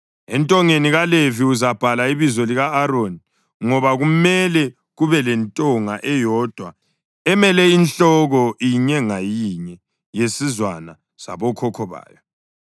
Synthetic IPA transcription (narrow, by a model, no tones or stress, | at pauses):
ɛntʼɔŋeniɣaleviuzab̥ʱalaiβizɔliɣaːɾoni | ŋɔβaɣumɛlɛ | ɣuβɛlɛntʼɔŋaʔɛjɔd̥ʱwa | ɛmɛlɛinɬɔɣɔiɲɛŋajiɲɛ | jesizwana | sa̰βɔkʰɔkʰɔβa̰ːjɔ